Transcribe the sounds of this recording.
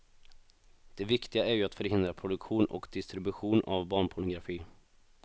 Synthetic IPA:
d̪̥ɛvɪkt̪ɪɡaæɾjɵat̪fœɾhɪnd̪ɾapʰɾʊd̪ɵkɧuːnʔɔ̰kd̪ɪst̪ɾɪbɵɧuːnʔa̰vbɑːɳpʰʊɳʊɡɾafiː

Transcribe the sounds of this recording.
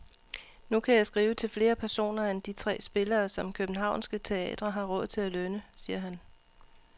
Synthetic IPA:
nukʰæjɑ̈ɪsɡ̥ʁiːʊət͡sʰe̝lfle̝ːɐpʰæɐso̝̰ːnɐend̥it͡sʰʁɛ̰ːsb̥e̝lɐːsɒ̽mkʰøb̥n̩ɦɑ̈ʊ̰nsɡ̥ət͡sʰe̝ɛ̰ːd̥ʁɐɦɑ̈ʁɔ̽ðˠt͡sʰe̝lælønəsiːɐɦæn

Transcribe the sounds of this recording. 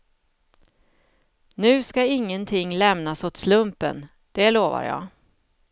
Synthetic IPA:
nʉ̟ːskaɪŋːənt̪ʰɪŋːlɛmnasʊt̪slɵmpə̰n | d̪̥ɛloːva̰ɾjɑ̰ː

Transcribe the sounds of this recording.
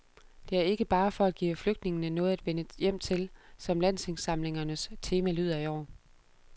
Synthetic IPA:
d̥e̝æɐe̝ɡ̥əb̥ɑ̈ːfɒ̽æd̥̚ɡ̥ḭːfløɡ̥̚d̥ne̝ŋənənɔ̽ːð̞̩ˠæd̥ʋenəjem̰t͡sʰe̝lsɒ̽mlæn̰seŋsɑ̈mle̝ŋɐnəst͡sʰe̝ːmælyð̰ˠɐiɒ̰ːɐ

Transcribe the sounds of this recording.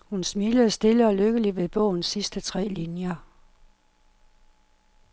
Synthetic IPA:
hunsmiːləð̩ˠsd̥e̝ləɒ̽løɡ̥əliʋe̝b̥ɔ̰̽ʊ̰n̩sːisd̥ət͡sʰʁɛ̰ːlinjɐ

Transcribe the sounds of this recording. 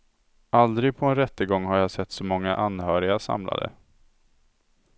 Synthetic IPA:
ald̪ɾɪɡ̚pʰɔɛnɾɛt̪ːəɡɔŋːɦaɾjasɛt̪ːsɔmɔŋːaʔanhœːɾɪɡasa̰mla̰d̪ə̰

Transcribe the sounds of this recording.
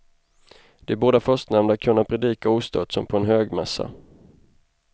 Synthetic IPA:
d̪̥ɛæboːɖ̪afœʂt̪nɛmnd̪akʰɵnːapʰɾɛd̪iːkauːst̪ʰœt̪sɔmpʰɔɛnɦøːɡmɛsːa̰

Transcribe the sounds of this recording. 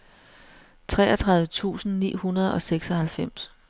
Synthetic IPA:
t͡sʰʁɛ̰ːɐt͡sʰʁɑ̈ðˠʋət͡sʰṵːsn̩nḭːhunɐð̞̩ˠɒ̽seɡ̥sɒ̽hælfem̰s

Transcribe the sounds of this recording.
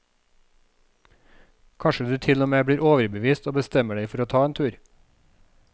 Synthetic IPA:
kʰɑnʃəd̪ʉːt̪ʰɪlɔmeːbɽiːɾʔoːʋəɾbəʋiːst̪oːbəst̪ɛməɖeɪfɔɾoːt̪ʰɑːeːnt̪ʰʉːɾ

